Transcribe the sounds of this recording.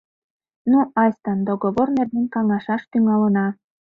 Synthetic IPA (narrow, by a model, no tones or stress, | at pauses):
nuɑsʲt̪ənd̪oɡoβornerd̪enʲkɑŋɑʃɑʃt̪yŋɑlənɑ